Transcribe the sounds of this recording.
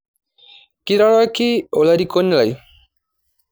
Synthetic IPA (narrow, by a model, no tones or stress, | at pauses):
kiɾaɭakiolaɾikonlaj